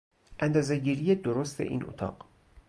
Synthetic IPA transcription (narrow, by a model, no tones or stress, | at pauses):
ʔænd̪ɒːze̞ɟiːɾijed̪oɾost̪ʰḛʔḭːnʔo̰t̪ʰɒ̰ːɢ̥